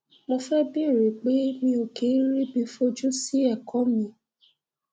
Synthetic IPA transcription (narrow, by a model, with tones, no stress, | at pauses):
mo˧fɛ˦bi˦˨ɾe˨k͡pe˨˦mĩ˧o˨ke˨˦ɾi˦bi˧˦fo˦d͡ʒu˦si˦ɛ˦˨kɔ˨˦mĩ˧˦